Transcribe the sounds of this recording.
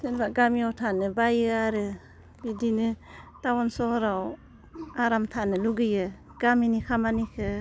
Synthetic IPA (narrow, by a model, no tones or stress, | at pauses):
senbaɡamiawtʰanɯbajɯaɾɯ | bidinɯ | tawɔnsɔhɔɾaw | aɾamtʰanɯluɡɯjɯ | ɡ̥aminikʰamanikʰɯ